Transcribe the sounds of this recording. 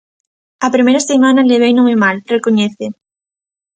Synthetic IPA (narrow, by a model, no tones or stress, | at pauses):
ɐpɾimejɾɐsemanɐleβ̞ejnõŋemalrekoɲɛθe